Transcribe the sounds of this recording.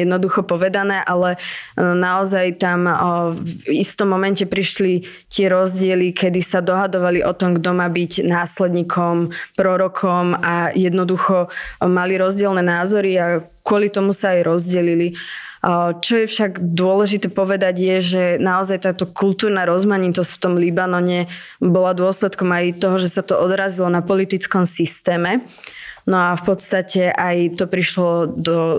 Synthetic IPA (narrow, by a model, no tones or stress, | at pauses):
jɛd̪nɔd̪uxɔpɔʋɛd̪anɛːʔalɛnaɔzajt̪amvist̪ɔmːɔmɛncɛpɾiʃli | t̪ɪɛɾɔzɟɪɛlikɛd̪isad̪ɔɦad̪ɔʋaliʔɔt̪ɔmɡd̪ɔmaːbiɟnaːslɛd̪ɲiːkʰɔmpɾɔɾɔkʰɔmajɛd̪nɔd̪uxɔmaliɾɔzɟɪɛlnɛːnaːzɔɾia | kʊɔlit̪ɔmusaːjɾɔzɟɛlili | t͡ʃɔjɛfʃaɡd̪ʊɔlɛʒit̪ɛːpɔʋɛd̪aɟjɛʒɛnaɔzajt̪aːt̪ɔkult̪uːɾnaɾɔzmaɲit̪ɔscft̪ɔmlibanɔɲɛ | bɔlad̪ʊɔslɛt̪kɔmajt̪ɔɦɔʒɛsat̪ɔʔɔd̪ɾazilɔnapɔlit̪it͡skɔmsist̪ɛːmɛ | nɔafpɔt̪st̪acɛʔajt̪ɔpɾiʃlɔd̪ɔ